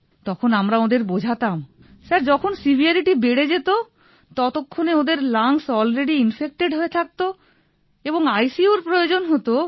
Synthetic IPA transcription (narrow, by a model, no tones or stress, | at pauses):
t̪ɔkʰonamɾaod̪eɾbod͡ʑʱat̪am | saɾd͡ʑɔkʰonsibʱiaɾiʈibeɽed͡ʑet̪o | t̪ɔt̪okʰːoneod̪eɾlaŋsɔlɾeɖiinfek̚ʈeɖɦoet̪ʰak̚t̪o | eboŋajsiuɾpɾojod͡ʑonɦot̪o